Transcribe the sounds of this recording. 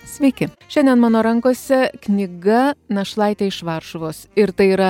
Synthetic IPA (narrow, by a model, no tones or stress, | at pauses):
sʲʋʲɛɪkʲɪʃʲɛnʲd̪ʲɛnmɑːnoːɾɐŋkoːsʲɛknʲɪɡɐnɐʃlˠɐɪt̪ʲeːɪʃʋɐɾʃʊʋoːsɪɾt̪ɐɪiːɾɐ